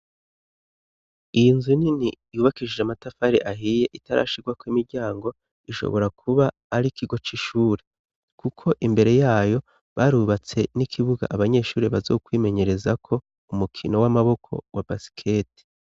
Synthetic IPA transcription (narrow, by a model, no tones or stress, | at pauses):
ijinzunini | juβakiʒieamatafaɾeʔaɦije̞ʔitaɾa̰ʃiɡwakoimiɾɟaːŋɡo̞ | iʃo̰βo̞ɾakʰuβaː | ɾikʰiɡo̞t͡ʃiʃuːɾe | kukʰo̞ʔimbe̞ɾe̞jaːjo̞ | βaɾuβat͡se̞nikʰiβuɡa̰ʔaβaɲe̞ːʃuːɾiβazo̞̰ːkwiːme̞ɲe̞ɾe̞zakʰo̞ | umukʰino̞wamaβo̞kʰo̞̰wabasi̥kʰe̞ːti̥